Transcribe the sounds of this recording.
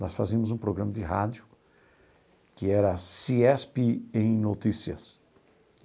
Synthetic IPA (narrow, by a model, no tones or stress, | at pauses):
nɔsfazĩɐmʊzũpɾoɡɾɐ̃mɐd̪ɪɦa̰d͡ʒjʊ | kɪɛɾɐsiɛspɪẽj̃not̪isiɐ̰s